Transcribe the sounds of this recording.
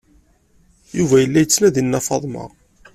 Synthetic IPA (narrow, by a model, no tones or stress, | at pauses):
juvæjəlːæjət͡sːnæðinːɑfɑðˤmɑ̰ʁ